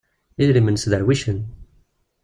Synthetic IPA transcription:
iðɾimənsðəɾwiʃən

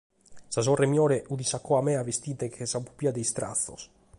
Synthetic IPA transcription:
sazɔremjɔːɾeʔud̪isakːɔamɛavest̪iːt̪ekʰesapu̥piad̪ejst̪ɾa̰θːo̰s

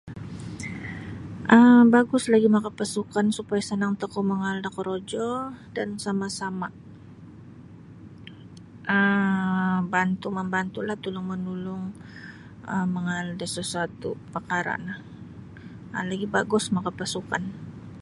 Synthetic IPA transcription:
ʔəmbaɡʊslaɡimakapasukansupajasənaŋt̪əkoməŋaldakəɾod͡ʒɔdansamasama | ʔə | bant̪uməmbant̪ulaht̪ulʊŋmənulʊŋ | əməŋaldasəsuat̪upakaɾa̰nah | əlaɡibaɡʊsmakapasuka̰n

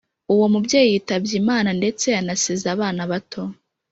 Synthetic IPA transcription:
uwomubjeːjijiːtabjimaːnande̞t͡se̞anasizaːβaːnaβatʰo̞

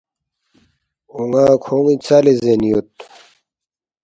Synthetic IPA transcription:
uŋãːkʰoːŋit͡saːlezenijot̪̚

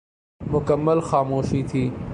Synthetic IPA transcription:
mʊkəmːəlxɑːmoːʃit̪ʰiː

